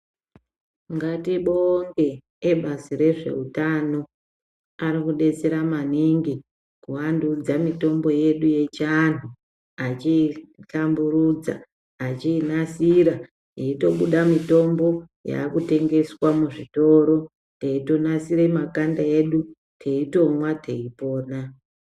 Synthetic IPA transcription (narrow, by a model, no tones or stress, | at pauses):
ŋɡatiɓoŋɡe̞ː | ɓasire̞ʐe̞̰utano̞ | aɾikuɗe̞t͡se̞ɾamaniŋɡi | kuwandud͡zamito̞mbo̞je̞ɗuje̞t͡ʃanu | at͡ʃiɬambuɾud͡za̰ː | t͡ʃiːnasiɾa | jeito̞ɓuɗamito̞mbo̞ | ja̰ːkute̞ŋɡe̞swamuʐito̞ːɾo̞ | teito̞nasiɾemakandae̞ɗu | tʰe̞ito̞mwatʰe̞ipo̞ːna